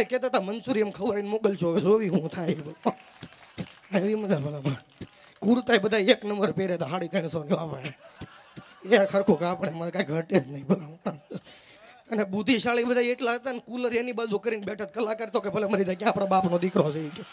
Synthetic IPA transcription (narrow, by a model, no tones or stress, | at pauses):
ekɛt̪at̪amənsuɾiemkʰəʋuɾainmoɡəlt͡ʃʰod͡ʒoʋiɦũt̪ʰajb | aeʋiməd̪ʱabʱəlam | kuɾt̪aibəd̪ʱaieknəmbəɾpeɾet̪aɦaɽikəɾinsoniʋapaje | ekʰəɾkʰokapəɳemakaiɡʱəʈed͡ʒnəĩbəla | əneɓud̪ʱiʃaliɓəd̪ʱaieʈlaət̪anekuləɾenibad͡ʒokəɾinbɛʈʰət̪̚kəlakəɾet̪ok̬ebʱəleməɾid̪akjãːpɽ̃abapnod̪ɪkɾõd͡ʒəike